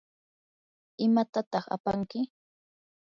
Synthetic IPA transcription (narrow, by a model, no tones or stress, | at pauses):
ɪmat̪at̪ɑχa̰paŋkɪ